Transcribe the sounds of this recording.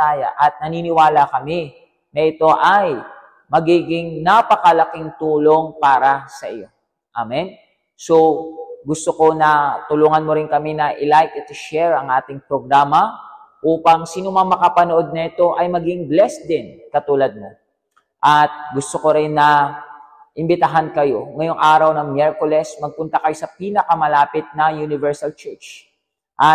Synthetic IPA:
aːjɐ̰ʔɐt̪̚nɐniːnɪwaːlɐkɐmɪ | nɐʔɪt̪o̞ʔɐj | mɐɡiːɡɪŋnapɐkɐlɐkɪŋt̪uːlo̞ŋpaːɾɐsɐʔɪjo̞ | ʔamɛn | soɡʊst̪oko̞nɐt̪ʊluːŋɐnmo̞ɾɪnkɐmɪnɐʔɪlajkɐt̪ɪʃɛɹɐŋʔaːt̪ɪŋpɾoɡɾaːmɐ | ʔuːpɐŋsiːnomɐŋmɐkapɐnoʔo̞d̪̚nɐʔɛt̪o̞ʔɐjmɐɡɪŋblɛsd̪ɪnkɐt̪uːlɐd̪̚mo̞ | ʔɐt̪̚ɡʊst̪oko̞ɾɪnːɐ | ʔɪmbɪt̪ɐɦankɐjo̞ŋɐjo̞ŋʔaːɾɐwnɐŋmjɛɹkolɛsmɐɡ̚pʊnt̪ɐkɐjosɐpiːnɐkɐmɐlaːpɪt̪̚nɐŋjunɪvɛɹsɐlt͡ʃɛɹt͡ʃ | ʔɐ

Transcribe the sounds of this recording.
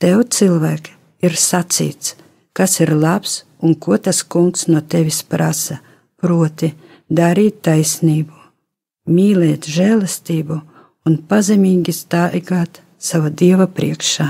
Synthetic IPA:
t̪ɛwt̪silˠvæːk | iɾsat̪sḭːt̪s | kasiɾlˠaps | unkuɔt̪askuŋksnuɔt̪evʲispɾasɐ | pɾuɔt̪ʲi | d̪aɾiːt̪ːajsniːbu | mʲiːlɛːt̪ʒɛːlˠɛst̪iːbu | unpazɛmʲiːɡʲist̪ajɡaːt̪ | savad̪iɛvapɾiɛkʃaː

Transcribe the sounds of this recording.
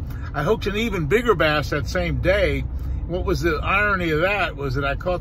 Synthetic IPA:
aɪɦoʊp̚tɨ̃nivɨ̃nbɪɡə˞bæsðɨtsẽɪ̃mdeɪwʌt̚wʌzðiʔaɪɹɨ̃niʌvðɨt̚wʌzðɨɾaɪkʰɔt

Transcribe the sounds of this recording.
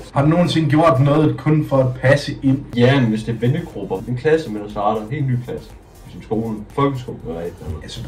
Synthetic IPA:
hɑ̈d̥uno̝ːn̩t͡sʰe̝ŋ̰ɡ̥jo̝ɐ̰d̥nɔ̽ːð̩ˠkʰɔ̽nfɒ̽æd̥pʰæsəʔe̝n̰jæemʋesd̥e̝ɐʋenəɡ̥ʁub̥ɐenkʰlæsəmensɑ̈ːɾɐenɦe̝ːlny̰ːkʰlæsə̥ | esnsɡ̥o̝̰ːln̩fɒ̽lɡ̥əsɡ̥ob̥ʋɛ̥ææs

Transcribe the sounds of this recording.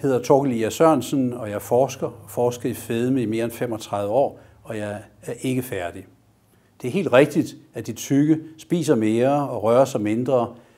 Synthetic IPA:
he̝ð̰ˠɐt͡sʰɒɡ̥əliæsɶɐ̰nsən̩ɒ̽jɑ̈ɪfɒːsɡ̥ɐfɒːsɡ̥ɐifeðˠməime̝ːɐenfem̰ɒ̽t͡sʰʁɑ̈ðˠʋəɒ̰ː | ɒ̽jɑɪæɐʔe̝ɡ̥əfæɐd̥i | d̥e̝æɐɦe̝̰ːld̥ʁɛɡ̥̚d̥id̥æd̥it͡sʰyɡ̥əsb̥ḭːs̬ɐme̝ːɐɒ̽ʁɶːɐsɑɪme̝nd̥ʁɐː

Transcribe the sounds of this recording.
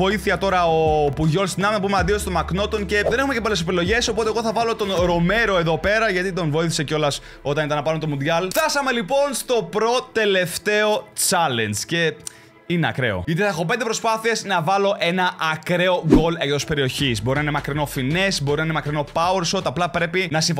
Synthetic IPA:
o̞iθiɐt̪o̞ɾɐopuʝo̞lst̪inɐvnɐpumeɐnd̪iost̪omɐkno̞t̪o̞nce̞ðene̞xumecepole̞se̞pilo̞ʝe̞so̞pot̪eɣo̞θɐvɐlo̞t̪o̞nɾo̞me̞ɾo̞e̞ðo̞pe̞ɾɐʝɐt̪it̪̬o̞nvo̞iθi̥seceo̞lɐs | o̞t̪ɐnit̪ɐnɐpɐlunt̪omund̪ʝɐlft̪ɐsɐme̞lipo̞nst̪o̞pɾo̞t̪e̞le̞ft̪e̞o̞t͡sɐle̞nd͡zce̞ | ineɐ̰kɾe̞̰o̰ʝɐt̪iθɐxo̞p̬end̪epɾo̞spɐθieznɐvɐlo̞ʔe̞nɐʔɐkɾe̞o̞ɣo̞lekðospe̞ɾio̞çizboɾinɐnemɐkɾino̞fine̞sbo̞ɾinɐɐnemɐkɾino̞pɐuɾsot̪ɐplɐpɾe̞pinɐsiɱf

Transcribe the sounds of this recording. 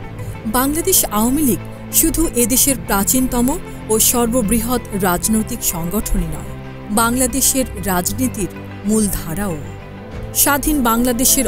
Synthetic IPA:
baŋlad̪eʃawomiliɡ | ʃud̪ʱuʔed̪eʃeɾpɾat͡ɕint̪ɔmo | oʃɔɾbobɾiɦot̪ɾad͡ʑnojt̪ikʃɔŋɡoʈʰoninɔ̰e | baŋlad̪eʃeɾːad͡ʑnit̪iɾ | muld̪ʱaɾao | ʃad̪ʱinbaŋlad̪eʃeɾ

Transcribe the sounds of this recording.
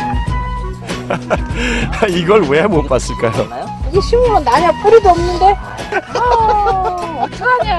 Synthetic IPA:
iɡʌɭwemop͈as͈ɯɭk͈ajo̰ | iɕʰimuŋʌnnaɲapʰuɾid̪oʌmnɯnde̞ | kɯɾʌ

